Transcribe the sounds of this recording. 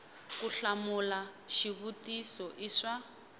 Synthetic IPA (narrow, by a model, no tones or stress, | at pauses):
kuɬamulaʃiβutisɔʔiʂa